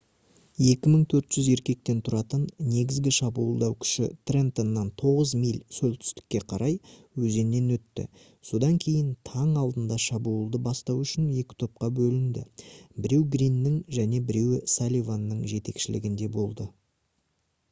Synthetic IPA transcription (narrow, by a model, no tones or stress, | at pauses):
je̞kʲɪməɴt̪ʰɵɾt̪ʒ̥ʏze̞ɾkʲe̞k̚t̪e̞nt̪ʰʊɾɑt̪ənːe̞ɡʲɪzɡʲɪʃɑbuːəlˠd̪ɑwkʲʰʏ̥ʃɪt̪rent̪onːɑnt̪ʰo̞ʁəzmijlʲsɵlt̪ʰʏ̥st̪ɪ̥kʲːe̞qʰɑɾʔɑj | wɵze̞nːe̞nwɵt̪ːɪ̰ | so̞d̪ɑŋkʲʰe̞jɪnt̪ʰɑɴɑlˠd̪ənd̪ɑʃɑbuəlˠd̪əbɑst̪ɑwʏʃɪnje̞kʲɪ̥t̪ʰo̞p̚qɑbɵlɪnd̪ɪ̰bɪɾe̞wɡɾinːɪŋʒæne̞bɪɾe̞wsalʲijvanːəɴʒe̞t̪e̞kʃɪlɪ̰ɡʲɪnd̪e̞bo̞lˠd̪ə